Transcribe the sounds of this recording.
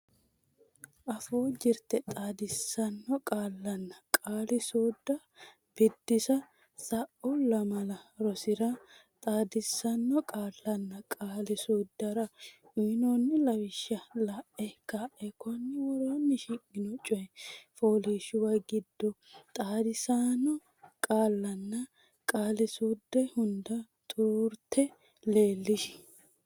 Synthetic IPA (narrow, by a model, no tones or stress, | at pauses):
ʔɐfoːd͡ʒɪɾt̪ɛt̪ʼaːd̪ɪsːɐnːɔkʼaːlːɐnːɐkʼaːlɪsoːd̪ːɐ | b̥ɪd̪ːɪsɐ | sɐʔɔlɐmɐlɐɾɔsɪɾɐt̪ʼaːd̪ɪsːɐnːɔkʼaːlːɐnːɐkʼaːlɪsoːd̪ːɐɾɐʔunonːɪlɐwɪʃːɐlɐʔɛkaʔɛkɔnːɪwɔɾonːɪʃikːɪnɔt͡ʃʼɔɛfoːliːʃʊwɐjɡɪd̪ːɔt̪ʼaːd̪ɪsaːnɔ | kʼaːlːɐnːɐ | kʼaːlɪsuːd̪ːɛhʊnd̪ɐ | t̪ʼuːɾt̪ʰːɛ | le̞ːlːɪʃɪ̥